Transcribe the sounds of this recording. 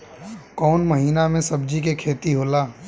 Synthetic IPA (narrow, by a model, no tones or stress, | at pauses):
kɔːnməɦiːnamẽsɐbd͡ʒikekʰeːt̪iɦoːlaː